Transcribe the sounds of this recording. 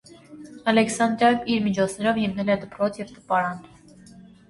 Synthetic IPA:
ɑlɛksɑnd̪ɾɑjɔviɾmit͡ʃʰɔt͡sʰnɛɾɔvhimnɛlɛd̪əpɾɔt͡sʰjɛvt̪ə̥pɑɾɑn

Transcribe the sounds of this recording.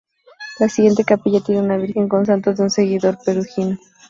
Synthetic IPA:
lasiɣje̞nt̪ekapiʎat̪jeneunaβ̞iɾxeŋko̞ns̬ant̪ozðeunse̞ɣiðoɾpeɾuxino

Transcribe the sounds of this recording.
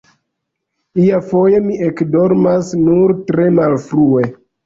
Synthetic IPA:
iafo̞jemiʔekdo̞ɾmasnuɾtɾe̞malfɾue̞

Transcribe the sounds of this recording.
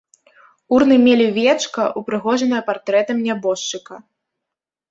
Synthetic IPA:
urn̪ɨmʲelʲivʲɛt͡ʂkɐʔupɾɨɣɔʐɐnɐjɐpart̪ɾɛt̪ɐmʲnʲabɔʂt͡ʂɨkɐ

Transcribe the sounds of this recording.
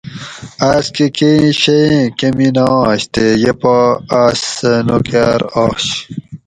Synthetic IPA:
askekeɕeẽkeminɑ̃ːɕt̪ejɐpaasnokaɾɑːɕ

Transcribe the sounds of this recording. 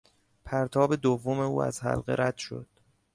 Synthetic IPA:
pʰæɾt̪ʰɒːbe̞d̪ovːo̞me̞uːæ̰zhæ̰lɢḛɾæd̪̥ʃo̞̰d̪̥

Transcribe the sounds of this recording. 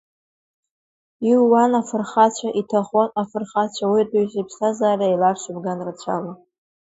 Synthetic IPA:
iwːanafɨrχat͡ɕʷʰaʔitʰaχʷanafɨrχat͡ɕʷʰawitʼuɥzipʰsazaːrʲailarʃɨbɡanrat͡ɕʷʰa̰la

